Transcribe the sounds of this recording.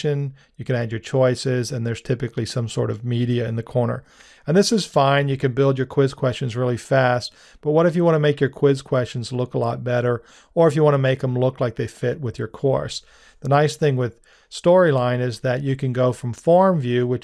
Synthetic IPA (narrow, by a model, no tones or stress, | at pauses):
ɨ̃n | jɨkɨ̃nædd͡ʒə˞t͡ʃʰɔɪsɪzɨ̃nðə˞z̥tʰɪpɨklisʌ̃msɔ̰ɹɾʌvmiɾiɨɨ̃nðɨkʰɔɹnə̰˞ | ɨ̃nðɪsɨz̥fãɪ̃njɨkɨ̃nbɪlˠdd͡ʒə˞kʰw̥ɪz̥kʰw̥ɛst͡ʃɨ̃nzɹɪlˠifæst̚ | b̥ʌt̚wʌɾɨfjɨwɑ̃ñɨmeɪkjə˞kʰw̥ɪz̥kʰw̥ɛst͡ʃn̩zlʊkəlɔ̰t̚b̥ɛɾə˞ | ə˞ɨfjɨwɑ̃ñɨmeɪk̚ðə̃mlʊklaɪk̚ðeɪfɪt̚wɨðjə˞kʰɔ̰ɹs | ðənaɪsθɪ̃ŋwɪð̥ | stɔɹilãɪ̃nɪzðɨt͡ʃɨkɨ̃nɡoʊfɹʌ̃ɱfɔɹɱvjʉwɨt͡ʃ